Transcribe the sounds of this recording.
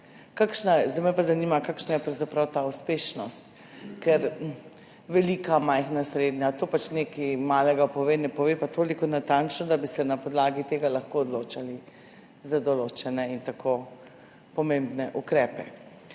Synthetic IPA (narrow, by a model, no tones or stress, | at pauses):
kakʃnajɛzd̪amɛjpazanimakakʃnajɛpɾawzapɾawt̪auspeːʃnɔst̪ | kɛɾ | ʋɛlikamajxnasɾed̪ɲjat̪oːpat͡ʃnekimaːlɛɡapɔʋeːnɛpɔʋepat̪oːlikɔnat̪ant͡ʃnɔd̪abisɛnapɔd̪laːɡit̪eːɡalaxkoɔd̪lot͡ʃali | zad̪ɔloːt͡ʃɛnɛint̪akʰo | pɔmembnɛʔukɾɛːpɛ̰